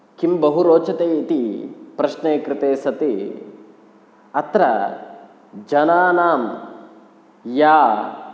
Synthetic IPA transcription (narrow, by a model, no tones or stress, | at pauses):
kimbɐɦuɾoːt͡ʃɐt̪eːit̪ipɾɐʃneːkɾɪt̪eːsɐt̪i | ɐt̪ɾɐ | d͡ʒɐnaːnaːm | jaː